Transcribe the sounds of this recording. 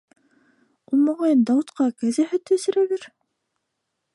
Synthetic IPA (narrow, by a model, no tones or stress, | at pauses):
ulˠmoʁɑjɤnd̪ɑwut̪qɑkæzæhæ̆t̪ːɘ̆sɘ̆ɾæβɘɾ